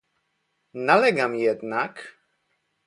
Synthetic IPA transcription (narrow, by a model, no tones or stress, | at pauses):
nalɛɡamjɛd̪nak